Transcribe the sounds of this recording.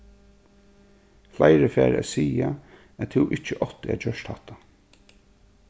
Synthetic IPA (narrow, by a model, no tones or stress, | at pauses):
flajɾəfæːɾæ̰siːa | æt̪ʰɪwʔɪht͡ʃəʔɔht̪ɪæ̰d͡ʒœʃt̪haht̪a